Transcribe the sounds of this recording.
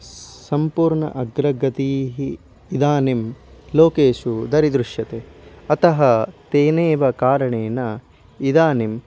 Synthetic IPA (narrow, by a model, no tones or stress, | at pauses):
sɐmpuːɾɳɐ̰ʔɐɡɾɐɡɐt̪iːɦiː | d̪aːnimloːkeːʃud̪ɐɾid̪ɾuʂjɐt̪eɐt̪ɐɦɐt̪eːneːʋɐkaːɾɐɳeːnɐ | id̪aːnim